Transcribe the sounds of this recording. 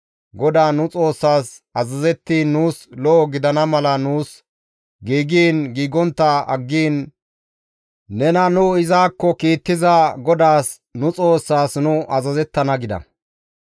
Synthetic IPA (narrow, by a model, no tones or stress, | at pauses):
ɡɔd̪aːnʊt͡sʼo̞ːsːaːsɐzɐzɛt̪ːiːnːuːslɔːɡɪd̪ɐnɐmɐlɐnuːs | ɡiːɡiːnɡiːɡɔnt̪ːɐɐɡːiːn | nɛnɐnʊɪzaːkːɔkiːt̪ːɪzɐɡɔd̪aːs | nʊt͡sʼo̞ːsːaːsnʊɐzɐzɛt̪ːɐnɐɡɪd̪ɐ̰